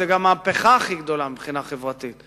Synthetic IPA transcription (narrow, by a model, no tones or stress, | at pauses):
ɛɡamːaːpeχaχiɡd̪o̞lamibχinaχevʁat̪it̪